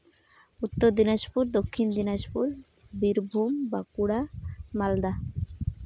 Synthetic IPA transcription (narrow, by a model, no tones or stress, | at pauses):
ut̪ːoɾd̪inaʃpuɾd̪okʰːind̪inaʃpuɾ | biɾbʱumbakuɽamald̪a